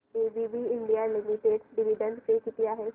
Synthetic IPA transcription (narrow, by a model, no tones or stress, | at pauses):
eːbʱibʱiɪ̃ɳɖijalɪmiʈeːɖɖɪʋiɖə̃nɖsekit̪ijaɦɛ